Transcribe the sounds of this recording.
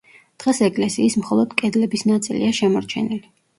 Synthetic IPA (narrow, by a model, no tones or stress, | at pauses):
d̪̥ʁɛsɛkʼlɛsiːsmχɔlˠɔd̪̥kʼɛd̪lɛbisnat̪sʼilḭaʃɛmɔɾt͡ʃʰɛnili